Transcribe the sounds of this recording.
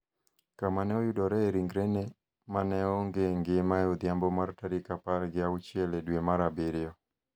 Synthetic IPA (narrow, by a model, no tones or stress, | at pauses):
kamanɛɔjʊdɔɾɛːɾiŋɡɾene | manɛɔŋɡeŋɡɪmajod̪jambɔmartaɾikapaɾɡɪaut͡ʃjeledwemaɾabɪɾɪɔ